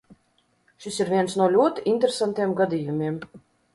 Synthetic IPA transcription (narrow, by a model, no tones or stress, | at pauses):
ʃisiɾvʲiɛnsnuɔlʲuɔt̪iʔint̪ʲeɾesant̪ijɛmɡad̪ijumʲiɛm